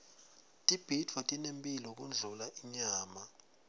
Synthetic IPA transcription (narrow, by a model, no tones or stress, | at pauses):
tʼib̥ʱitʰwatʼinempʼilɔk̬und͡ɮʱulaʔiɲaːma